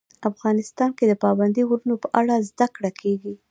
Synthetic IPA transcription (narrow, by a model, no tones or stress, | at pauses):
afɣɑnɪst̪ɑnked̪əpɑband̪iɣɾunopəʔaɽazd̪akɽakʰeɡi